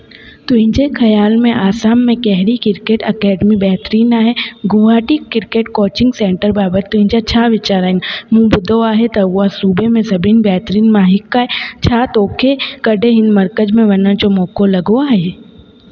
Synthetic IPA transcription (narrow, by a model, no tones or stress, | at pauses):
t̪ʊɪ̃nd͡ʒekʰɐjaːlmẽʔaːsaːmːẽkɛɦɾikɪɾkeːʈɐkɛːɖmibɛːt̪ɾiːnaːɦɛɡʊʋaːʈikɪɾkeːʈkoːt͡ʃɪ̃ŋɡsẽːɳʈəɾbaːbət̪ːʊɦɪ̃nd͡ʒat͡ʃʰaːʋɪt͡ʃaːɾaɪnmũːbʊd̪oaːɦet̪ɐuasuːbemẽsɐbinbɛːt̪ɾiːnmaːɦɪkːaːɦet͡ʃʰaːt̪oːkʰekɐɖeɦɪ̃nd̪mɐɾkəd͡ʒmẽʋɐnəd͡ʒomoːkolɐɡoaːɦe